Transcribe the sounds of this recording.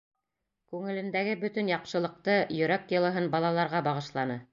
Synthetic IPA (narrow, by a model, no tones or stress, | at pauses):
kʉŋɘ̆lɘ̆nd̪æɡɘbɵt̪ɵ̆njɑqʃɤ̆lˠɤ̆q̚t̪ɤjɵ̆ɾæk̚jɤ̆lˠɤ̆ɦɤnbɑlˠɑlˠɑɾʁɑbɑʁɤ̆ʃlˠɑnɤ